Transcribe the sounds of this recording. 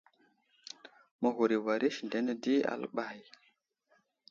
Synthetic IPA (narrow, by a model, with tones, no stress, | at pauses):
mə˨ɣo˨ɾi˨wa˨ɾi˦ʃnde˨˦nə˦di˦a̰˨lɓa˦˨j